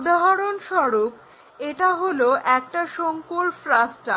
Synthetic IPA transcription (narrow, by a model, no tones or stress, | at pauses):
d̪aɦaɾonʃɔɾop | eʈaɦoloʔɛk̚ʈaʃoŋkolfɾasʈa